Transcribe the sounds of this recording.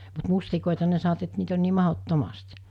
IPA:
mut mustikoˑetɑ ne sɑnoʋɑ̆t et niːt on niː mɑhotːomɑst

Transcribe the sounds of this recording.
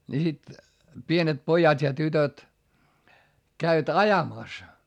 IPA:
ni sit pienet pojɑtʲ jɑ tytøt kæiʋæt ɑjɑmɑˑs

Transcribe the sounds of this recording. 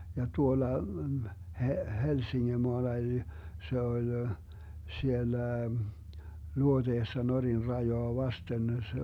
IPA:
jɑ tuolɑ he helsiŋːemoɑlɑ eli se olʲ sielːæ luoteːsːɑ norin rɑjoɑ ʋɑsten se

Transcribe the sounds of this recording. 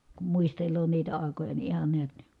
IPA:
kum muistelˑoː niːtæ ɑˑi̯kojɑ ni ihɑn neæt ni

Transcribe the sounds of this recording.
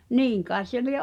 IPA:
niːŋ kɑi̞s̆ se lie

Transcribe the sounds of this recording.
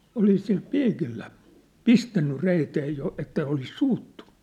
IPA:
olis sil piːkilːæ pistænːy reiteː jo etːæ olis suːtːun̥ˑu̥

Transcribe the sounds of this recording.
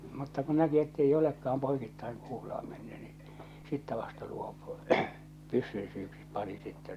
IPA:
mutːɑ ku næki etːei olekːɑɑm poikitːɑiŋ kuːlə̆ɑˑ menːy n̥i̥ sitːæ ʋɑstɑ luopu̥ pysːyn syːksip̆ pɑni sitːɛ

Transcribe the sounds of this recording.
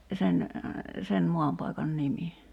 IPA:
sen sen moɑmpɑikɑn nimi

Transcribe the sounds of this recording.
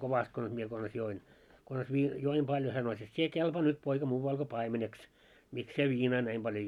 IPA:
koʋɑst kons mie kons join kons ʋiː joim b̥ɑljo hæ sɑno et sie kelpɑː nyt poikɑ muːʋɑl ko pɑimeneks miks sie ʋiːnɑː næim b̥ɑljo

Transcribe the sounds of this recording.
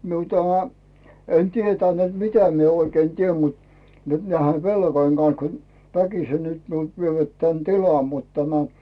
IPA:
miu tæmæ en tietæn nĕt mitæ mie oikei tiem mut nyt næihe ʋelkoĭŋ ɡ̊ɑn̞s kun ʋækise nyt miult ʋieʋæt tæn tilɑm mut tænæ

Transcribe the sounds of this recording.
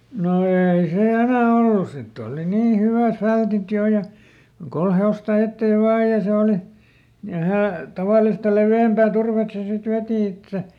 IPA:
no eːi se enæˑ olːus sitː oːli niː hyʋæˑf fæltit joˑ jɑ kol heostɑ etːeːʋ ʋɑː jɑ se oli jɑ hæː tɑʋɑˑlistɑ leʋiæmpæː turʋet se sit ʋeˑti etːæ

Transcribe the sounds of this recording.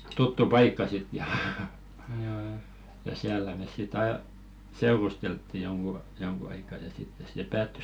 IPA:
tutːu pɑikːɑ sit jɑ jɑ siælːæ meˑs sit ɑi̞ seurusteltːi joŋɡ̊u joŋɡ̊u ɑikɑ jɑ sitːes se pæːtːys

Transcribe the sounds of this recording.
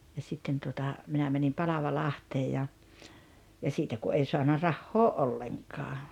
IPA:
jɑ sitːen tuotɑ minæ mænim pɑlɑʋɑlɑhteː jɑ jɑ siːtæ ku ʔei soɑnɑ rɑhːoː ʔolːeŋkɑː

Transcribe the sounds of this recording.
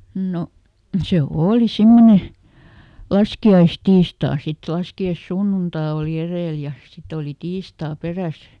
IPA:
no se oːli simːone lɑskiɑistiːstɑː sit lɑskiɑĭsːunːuntɑ oˑli ereˑl jɑ sit oli tiːstɑː peræs

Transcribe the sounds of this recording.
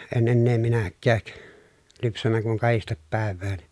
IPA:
en enːeː minækːæːk lypsænːæ kuŋ kɑhistep pæˑeʋˑæːn

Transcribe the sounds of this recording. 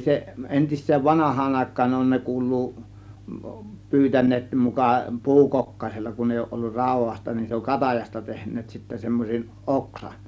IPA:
se ʔentisˑeːn ʋɑnɑhˑɑːn ɑˑe̝kˑɑːn on ne kuːlˑuː pyːtænˑeːt mukɑ pu̞ukokːɑĭselːɑ kun eˑi oˑŭʔ ʔolːur rɑˑu̞ʋɑstɑ nin se oŋ kɑtɑjɑstɑ tehnˑeːt sitːæ semːoseʔ ʔoksɑn

